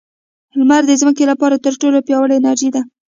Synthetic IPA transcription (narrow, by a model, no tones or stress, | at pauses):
hɪlmaɾd̪əzməkelapɑɾat̪əɾʈolopjɑwəɽeɪnaɾʒid̪a